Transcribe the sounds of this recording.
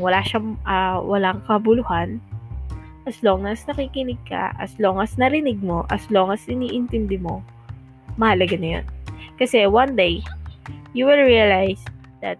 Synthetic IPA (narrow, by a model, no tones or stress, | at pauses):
wɐlaːʃaʔɐwɐlaŋkɐbʊlʊhan | ʔɐslo̞ŋnɐsnɐkiːkɪnɪɡ̚kɐ̰ʔɐ̰sloŋɐsnɐɾɪnɪɡ̚mo̞ʔɐslo̞ŋɐsɪniːʔɪnt̪ɪnd̪ɪmo̞ | mɐhalɐɡanɐjo̰nkɐsɛwɐnd̪ej | juwɪlɹiɐlajs | d̪̥ɐt̪̚